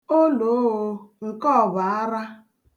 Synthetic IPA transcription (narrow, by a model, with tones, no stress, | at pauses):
o˦lo˨˦o˨ŋ̩˨kɔ˦˨ba˨a˦ɾa˦